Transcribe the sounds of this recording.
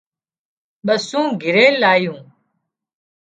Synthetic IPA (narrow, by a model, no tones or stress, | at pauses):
ɓəsũːɡʱɪɾeːlaːjũː